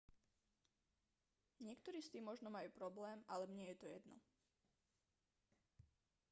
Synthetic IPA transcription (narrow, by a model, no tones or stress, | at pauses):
ɲɪɛkt̪ɔɾiːst̪iːmɔʒnɔmajuːpɾɔblɛːmʔalɛbɲɪɛjɛt̪ɔjɛd̪nɔ̰